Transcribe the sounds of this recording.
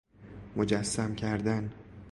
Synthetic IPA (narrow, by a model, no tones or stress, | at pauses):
mod͡ʒæsːæmcʰæɾd̪æn